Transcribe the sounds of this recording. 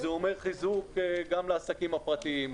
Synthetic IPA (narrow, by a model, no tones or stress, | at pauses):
zeo̞meʁχizukɡamleasakimapʁat̪iim